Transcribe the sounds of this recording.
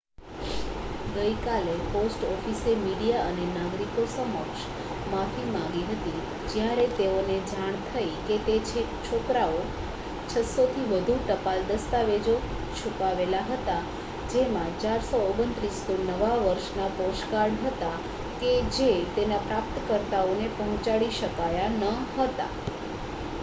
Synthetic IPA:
ɡəjkaleposʈɔfisemiɽijaənenaɡɾikosəmɔkʃ | mãt̪ʰimãŋɡiɦət̪i | d͡ʒjaɾet̪eoned͡ʒaɳ̃t̪ʰəiket̪et͡ʃʰe | t͡ʃʰokɾao | t͡ʃʰəsot̪ʰiʋəd̪ʱuʈəpald̪əst̪aʋed͡ʒo | t͡ʃʰupaʋelaɦət̪a | d͡ʒemãt͡ʃaɾsoːɡənt̪ɾist̪onəʋaʋəɾʃnapɔʃkaɾɳɦət̪a | ked͡ʒet̪enapɾapt̪kəɾt̪aonepəɦɔ̃t͡ʃaɽiʃəkajanəɦət̪a̰

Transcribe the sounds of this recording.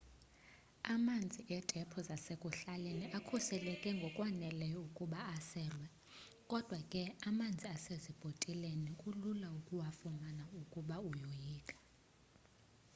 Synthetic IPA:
amand͡zʱiʔɛd̥ʱɛpʰɔzasekʼuɬaleniʔakʰusɛlɛkʼɛŋɡʱɔkʼwanɛlɛjɔukʼuɓaːsɛːlwɛ | kʼɔd̥ʱwakʼɛamand͡zʱiasezib̥ʱotʼilenikʼululaukʼuwafumanaukʼuɓaujojiːkʼḁ

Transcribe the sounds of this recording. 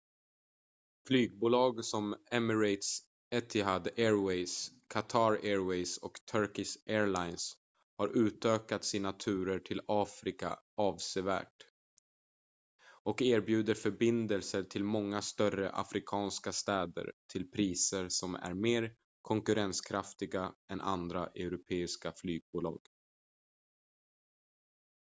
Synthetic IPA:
flyːɡ̚buːlɑːɡsɔmɛməɾɛɪt̪s | ɛt̪ʰɪɦad̪ɛɾwɛjskʰat̪ʰɑɾɛːɾwɛjsɔkt̪ʰœɾkɪsʔɛːɾɭaɪns | haɾʔʉ̟ːt̪øːkat̪sɪnat̪ʰʉ̟ːɾəʈʰɪlɑːfɾɪka̰ʔɑːvseːvæ̰ːʈ | ʔɔkeːɾbjʉ̟ːd̪əɾfœɾbɪnd̪əlsəʈʰɪlmɔŋːast̪œrəʔa̰fɾɪkʰɑːnskast̪ɛːd̪ə̰ɾt̪ʰɪlpʰɾiːsəɾsɔmæ̰ɾmeːɾ | kʰɔŋkɵɾɛnskʰɾaft̪ɪɡaɛnʔa̰nd̪ɾaʔɛɾʊpʰeːɪskaflyːɡ̚buːlɑ̰ːɡ̥

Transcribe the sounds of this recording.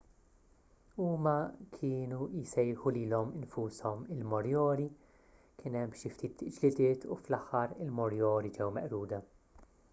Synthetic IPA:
uːmɐkʰɪːnujsɛjɾħuliːlɔmɪnfuːsɔmɪlmɔɾjɔːɾi | kɪnɛmːʃɪft̪iːt̪d͡ʒlɪd̪ɪːt̪ʰṵflɐħːɐɾɪlmɔɾjɔːɾid͡ʒɛwmɛʔɾuːd̪ɐ

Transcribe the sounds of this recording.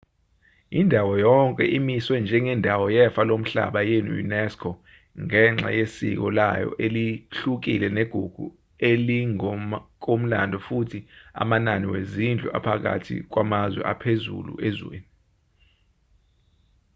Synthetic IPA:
indʱawɔjɔŋkʼɛʔimiswɛnd͡ʒʱɛŋɛndʱawɔjɛfalom̩ɬa̰ɓajɛnujṵnɛskʰɔ | ŋɛŋ͡ǁa̰jesḭk̬ɔlajɔ̰ʔeliɬuk̬ilɛneɡ̥ʱuɡ̥ʱṵ | eliŋk̬ʼom̩la̰ndʱɔfutʰia̰mananiwezind͡ɮʱuʔa̰pʰak̬a̰tʰḭk̬wamazwɛ̰ʔapʰezṵlṵʔezwḛːni

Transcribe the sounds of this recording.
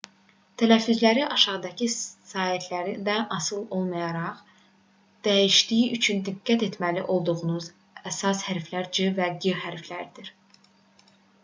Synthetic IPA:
t̪ʰælæfːyzlæɾiʔɑʃɑʁd̪ɑcʰisɑːhit̪ʰlæɾid̪ænɑsɯlˠo̞lˠmɑjɑɾɑʁ | d̪̥æjiʃd̪ijiyt͡ʃʰynd̪iɡːæt̪e̞t̪ʰmæliʔo̞lˠd̪uʁunuz | æsɑshæɾflæɾd͡ʒɯvæɡiɾhæɾflæɾd̪iɾ̥

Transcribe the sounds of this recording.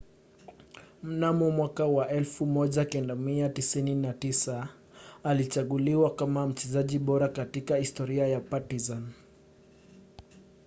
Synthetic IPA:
m̩namumwakawaʔɛlfumɔʄakɛndamiatisininatisa | alit͡ʃaɠuliwakamam̩t͡ʃɛzaʄiɓɔɾakatikahistɔɾiajapatizan

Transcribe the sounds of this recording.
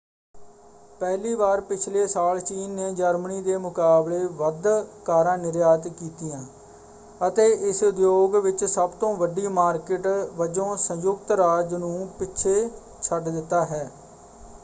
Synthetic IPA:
pɛːɦliːbaːɾpɪt͡ʃʰleːsaːlt͡ʃiːnːeːd͡ʒəɾməniːd̪eːmʊkaːbleːʋəd̪kaːɾãːnɪɾjaːt̪kiːt̪ijãː | ət̪eːʔɪsʊd̪joːɡʋɪt͡ʃsəbt̪õːʋəɖiːmaːɾkɪʈʋəd͡ʒõːsə̃jʊkt̪ɾaːd͡ʒnũːpɪʃʰeː | t͡ʃʰəɖd̪ɪt̪ːaːɦɛː

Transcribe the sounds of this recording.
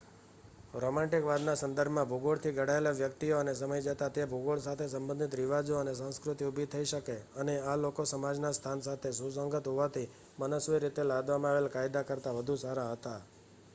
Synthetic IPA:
ɾomãʈɪkʋad̪nasə̃nd̪əɾbʱmãbʱuɡoɭt̪ʰiɡʱəɽaelaʋjəkt̪ioənesəməjd͡ʒət̪at̪ebʱuɡoɭsat̪ʰesə̃mbənd̪ʱɪt̪ɾiʋad͡ʒoənesãskɾʊt̪iubʱit̪ʰəiʃəkeənealokosəmad͡ʒnast̪ʰansat̪ʰesusəŋɡət̪ɦoʋat̪ʰi | mənəsʋeɾit̪elad̪ʋamãaʋelkajd̪akəɾt̪aʋəd̪ʱusaɾaɦət̪a

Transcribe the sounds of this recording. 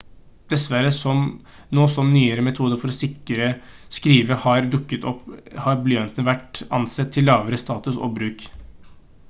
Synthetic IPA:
d̪̥ɛsʋæɾəsɔm | noːsɔmnyːəɾəmɛt̪ʰuːd̪əɾfɔɾɔsɪkːəɾəskɾiːʋəhɑɾɖ̪ʉkːət̪ʰɔpːhɑɾblœnt̪nəʋæʈɑ̰nsɛt̪ʰːɪlːɑːʋəɾəst̪ɑːt̪ʉsɔ̰bɾʉːk

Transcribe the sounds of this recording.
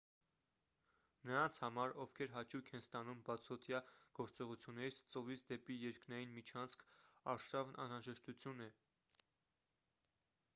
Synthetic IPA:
nəɾɑnt͡sʰhɑmɑɾɔfkʰɛɾɦɑt͡ʃʰukʰɛnst̪ɑnumbɑt͡sʰɔt̪ʰjɑɡ̥ɔɾt͡sɔʁut͡sʰjunːɛɾit͡sʰt͡sɔvit͡sʰd̪ɛpijɛɾknɑjinmit͡ʃʰɑnt͡sʰkʰɑɾʃɑvnʔɑ̰nɾɑʒɛʃt̪ut͡sʰjunɛ

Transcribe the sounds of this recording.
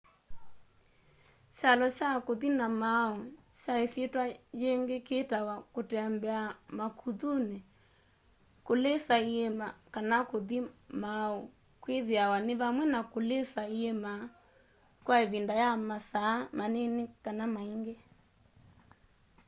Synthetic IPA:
ʃalɔt͡ʃakoðinamaɔʃaesjetwajeŋɡekeːtawakotɛambɛamakʰuðune | kolesaiemakanakoðimao | kweðeawanɪβamwɛnakolesaiema | kwaeβindajamasaːmanenekanamaiŋɡe

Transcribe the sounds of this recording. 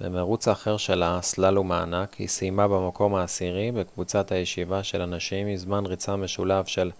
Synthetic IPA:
bḛmeʁut͡saːχeʁʃe̞laslalumaːnakhḭsijmabemakʰo̞maːsiʁibekvut͡sat̪ajeʃivaʃe̞lanaʃimizmanʁit͡sameʃulavʃe̞l

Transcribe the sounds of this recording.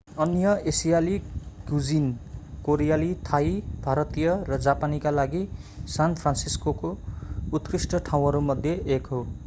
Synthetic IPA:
ʌnjʌesijaliɡud͡zinkoɾijalit̪ʰaibʱaɾʌt̪ijʌrʌd͡zapanikalaɡisanpʰransiskokout̪krisʈʌʈʰaw̃ɦʌɾumʌd̪ʱjʌʔekɦo

